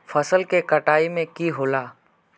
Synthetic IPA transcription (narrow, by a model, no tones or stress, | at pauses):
fʰəsəlkekəʈaːimẽkiɦoːlaː